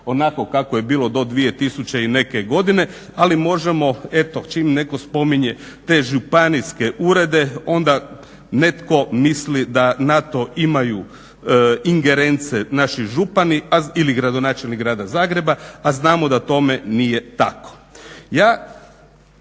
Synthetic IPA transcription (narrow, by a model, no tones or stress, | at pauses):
o̞nako̞kakojebiːlˠod̪o̞d̪ʋije̞t̪isut͡ɕeine̞keɡo̞d̪ine̞ | alimo̞ʒemo̞e̞t̪ot͡ʃimne̞ko̞spo̞miɲe̞ | t̪e̞ːʒupaniske̞ʔuːɾe̞d̪e̞o̞nd̪a | ne̞t̪ko̞mislid̪anat̪o̞imaju | iŋɡe̞ɾe̞nt̪senaʃiʒupaniailiɡɾad̪onaːt͡ʃelnikɡɾaːd̪azaːɡɾe̞baaznaːmod̪at̪o̞menije̞t̪ako̥jaː